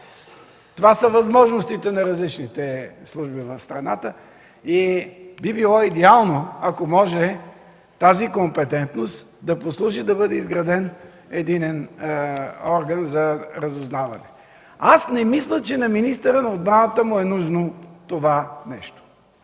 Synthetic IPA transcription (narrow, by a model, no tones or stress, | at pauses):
t̪ovasəvɐzmɔʒnost̪it̪ɛnɐɾɐzlit͡ʃnit̪ɛslˠuʒbivɐfst̪ɾɐnat̪ə | ibibilˠɔid̪ɛalˠnoɐkomɔʒɛ | t̪azikompɛt̪ɛnt̪nost̪ | d̪ɐposlˠuʒid̪ɐbɤd̪ɛizɡɾɐd̪ɛn | ɛd̪inɛn | ɔɾɡənzɐɾɐzʊznavɐ̰nɛ | asnɛmislʲət͡ʃɛnɐminist̪ɛɾənɐod̪̚bɾanət̪əmʊɛnuʒnot̪ovanɛʃt̪o̥